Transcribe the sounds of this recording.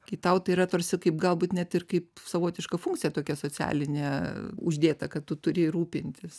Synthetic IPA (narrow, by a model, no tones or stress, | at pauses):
kʲiːt̪ɐʊt̪ɐiːɾɐt̪oːrʲsʲɪkɐɪpɡɐlˠbuːt̪nʲɛt̪ɪrkɐɪpsɐʋoːt̪ʲɪʃkɐfuŋkt͡sʲijɛt̪oːkʲɛsoːt͡sʲæ̰ːlʲɪnʲeʊʒʲd̪ʲeːt̪ɐkɐttːʊt̪ʊɾʲɪɾuːpʲɪnʲt̪ʲɪs